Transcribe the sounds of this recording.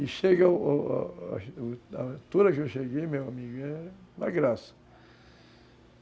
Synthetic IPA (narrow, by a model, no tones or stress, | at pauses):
iʃeɡɐ̰ | aẽt̪uɾɐkɪewʃeɡejmewamiɡʊɛna̰ɡɾasɐ̥